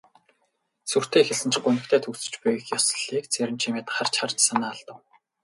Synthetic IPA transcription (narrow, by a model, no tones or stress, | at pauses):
sur̥t̪ʰeːxɘ̆ɮsɘ̆nt͡ɕ̆ɡʊnɘ̆kt̪ʰæːt̪ʰɵksɵ̥̆t͡ɕpujxjɔsɞ̆ɮiːk̚t͡sʰeɾʲɪ̆mt͡ɕʰimeːt̪aχar̥t͡ɕʰart͡ɕsanaːɮt̪ə̆w